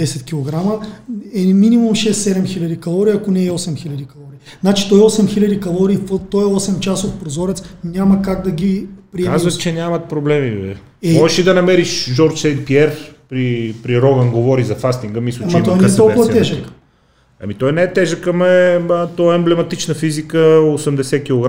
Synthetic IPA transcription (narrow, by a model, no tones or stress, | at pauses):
d̪ɛsɛt̪kʲilˠoɡɾaməɛminimumʃɛsːɛd̪ɛmxilʲɐd̪ikɐlˠɔɾiːɐkonɛɔsɛmxilʲɐd̪ikɐlˠɔɾiː | znat͡ʃi̥t̪ɔɛɔsɛmxilʲɐd̪ikɐlˠɔɾiːft̪ɔjɛɔsɛmt͡ʃasot̪̚pɾozɔɾɛt̪snʲamɐkaɡd̪ɐɡipɾiɛazvɐt͡ʃɛnʲjamɐt̪̚pɾoblɛmivɛ̰ | ɛmɔʒɛʃid̪ɐnɐmɛɾiʃʒɔɾt͡ʃsɛjt̪̚piɛɾpɾipɾiɾɔɡənɡovɔɾizɐfast̪iŋɡəmislʲuamt͡ʃɐit̪ɔjnɛt̪ɔlˠkʊvɐtt̪ɛʒək | ɐ̰mit̪ɔjnɛɛt̪ɛʒəkːɐmɛət̪ɔɛɛmblɛmɐt̪it͡ʃnəfizikəosɛmd̪ɛsɛkʲilˠoɡa